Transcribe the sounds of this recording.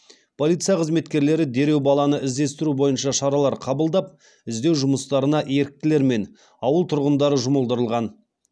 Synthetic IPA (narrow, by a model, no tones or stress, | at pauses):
pʰo̞lit̪sɨjɑqʰəzme̞t̪kʲe̞ɾle̞ɾɪd̪e̞ɾe̞wbɑlˠɑnəʔɪzd̪e̞st̪ɪɾubo̞jənʃɑʃɑɾɑlˠɑɾqʰɑbəlˠd̪ɑp̚ | ɪzd̪e̞wʒʊməst̪ɑɾənɑʔe̞ɾɪk̚t̪ɪle̞ɾme̞n | ɑwəlˠt̪ʰʊɾʁənd̪ɑɾəʒʊməlˠd̪əɾəlˠʁɑn